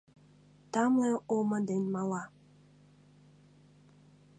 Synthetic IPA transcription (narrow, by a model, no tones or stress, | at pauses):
tamlɛomadenmala